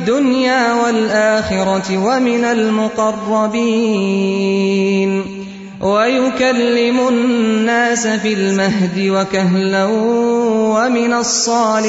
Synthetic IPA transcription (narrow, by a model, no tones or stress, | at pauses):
d̪ːʊnjaːwalʔaːxɪɾɑwamɪnalmʊqɑrˤːɑbiː | n | wajʊkalːɪmʊnːaːsafɪlmaɦd̪ɪwakaɦlaw | wamɪnasˤːɑːl